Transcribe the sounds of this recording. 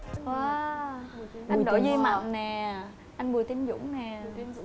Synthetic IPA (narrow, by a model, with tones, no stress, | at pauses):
aː˨˧ | ʔa˧˨nɗo̰˧˨˩zi˧ma̰˨˩mnɛ˨˩ | ʔa˧jŋ̟ɓu˨˩ət̪i˨˦əmzʊ̰˧˥ŋ͡mnɛ˨˩